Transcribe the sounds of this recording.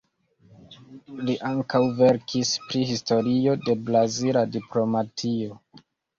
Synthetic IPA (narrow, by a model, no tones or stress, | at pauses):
liʔaŋkawve̞ɾkʰispɾihisto̞ɾio̞de̞blaziladiplo̞matʰio̞